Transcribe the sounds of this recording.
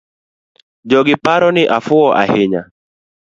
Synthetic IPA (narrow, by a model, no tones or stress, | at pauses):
d͡ʒɔɡɪpaɾɔnɪʔafʊɔʔa̰hɪɲa̰